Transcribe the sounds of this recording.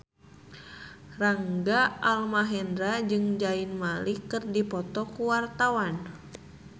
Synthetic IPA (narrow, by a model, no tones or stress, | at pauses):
raŋɡaʔalmaɦɛndɾad͡ʒɨŋd͡ʒainmalikɨrdipɔt̪ɔkuwart̪awan